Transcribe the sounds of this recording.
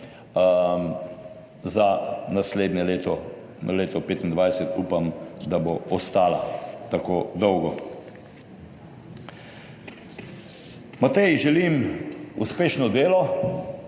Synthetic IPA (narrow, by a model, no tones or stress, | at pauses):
zanasleːd̪nʲɛleːt̪ɔ | leːt̪ɔpeːt̪ind̪ʋajsɛt̪uːpamd̪aboɔst̪aːlat̪akoːd̪ɔwɡɔ | mat̪ɛjiʒɛlimṵspeːʃnɔd̪eːlɔ